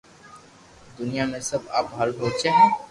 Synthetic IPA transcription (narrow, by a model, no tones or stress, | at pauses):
d̪ʊnijamẽsəba̰ːpɦalbʱoːt͡ʃaɦɛ̃ː